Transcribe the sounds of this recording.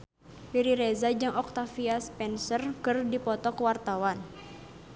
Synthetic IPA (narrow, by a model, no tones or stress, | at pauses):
piɾiɾɛzad͡ʒɨŋɔk̚t̪afiaspɛnsərkɨrdipɔt̪ɔkwart̪awan